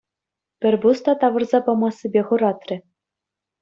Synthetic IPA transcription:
pʲɘ̆rʲbust̪ɑt̪ɑʋɤ̆rzɑpɤ̆mɑsːɘ̆bʲeχɤ̆ɾɑt̪rʲɘ̆

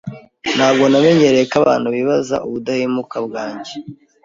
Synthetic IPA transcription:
n̥haːbɡo̞name̞ɲe̞ɾekaβa̰ːn̥huβiβaza̰ʔuβudahimukabɡaːɲɟe

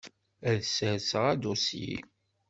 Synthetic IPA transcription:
æðsəsʁæd̪usḭ

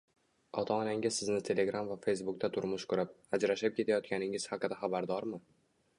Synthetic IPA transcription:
ɒt̪ʰaːnaŋʲɪzsɪznɪt̪ʰe̞le̞ɡɾamvafejs̬bʊk̚t̪ʰat̪ʰʊɾmʊʃkʰʊɾap̚ | ad͡ʒɾaʃap̚kʲe̞t̪ʰajɒt̪̚kʲanɪŋɪz̥haqɨd̪aχabaɾd̪ɒɾmɪ

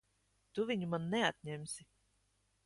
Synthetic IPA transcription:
t̪uvʲiɲumanːɛat̪̚ʲɲɛmʲsʲi

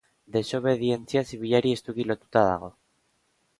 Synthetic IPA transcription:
d̪e̞so̞β̞e̞ðie̞nt͡siasiβ̞iʎaɾie̞st̪uɣilo̞t̪u̥t̪að̞a̰ɣ̞o̞

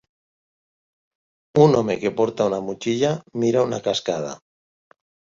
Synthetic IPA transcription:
unomekepoɾt̪aunamut͡ʃiʎamiɾaunakaskaða̰

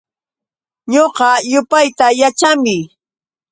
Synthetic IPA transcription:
ɲoqɑjʊpajt̪ajat͡ʃamɪ

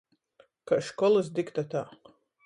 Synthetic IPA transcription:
kaʃkɔlˠɨsd̪ikt̪at̪aː

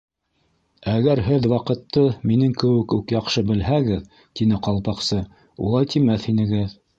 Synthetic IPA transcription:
æɡæɾɦɘðwɑqɤ̆t̪ːɤminɘŋkɘ̆wɘkʉkjɑqʃɤbɘ̆lɦæɡɘð | t̪inɘqɑlˠpɑqsɤ | ṵlˠɑjt̪imæθhinɘ̆ɡɘð

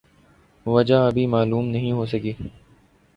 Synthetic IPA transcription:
ʋɐd͡ʒaɐbʱimaːluːmnɐɦĩɦoːsəkiː

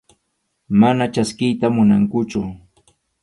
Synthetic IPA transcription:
manat͡ʃaskɪjt̪amʊnaŋkʊt͡ʃʊ

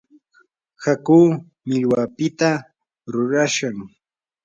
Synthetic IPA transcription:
hakuː | mɪʎwapɪt̪a | ɾʊɾaʃaŋ

